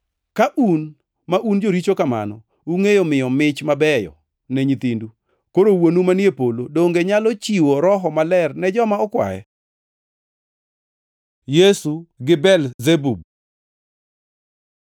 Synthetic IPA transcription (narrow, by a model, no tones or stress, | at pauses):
kaʔun | maʔund͡ʒoɾit͡ʃokama̰nɔ | uŋejomɪjɔmɪt͡ʃmabɛjɔ̰ | nɛɲit̪indu | koɾowonumanjepolodoŋɡeɲalɔt͡ʃiwoɾɔɦɔmalɛrnɛd͡ʒɔmaɔkwa̰jɛ̰ | jesuɡɪbɛlzebub̚